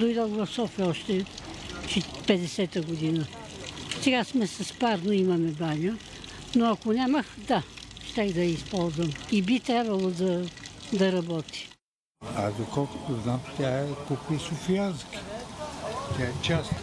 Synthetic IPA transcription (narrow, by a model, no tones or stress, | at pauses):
d̪ojd̪ɔd̪vɐfsɔfiəɔʃt̪ɛ | t͡ʃɛpɛd̪ɛsɛt̪əɡod̪inə | sɛɡasmɛsɐspaɾnoimɐmɛbanʲə | noɐkonʲamɐxd̪aʃt̪ɛɣd̪ɐispɔlˠzvəmibit̪ɾʲabvəlˠod̪ɐd̪ɐɾɐbɔt̪i̥ | a̰zd̪okɔlˠko̥t̪oznamt̪ʲaɛkupiisofianski̥ | t̪ʲaɛt͡ʃast̪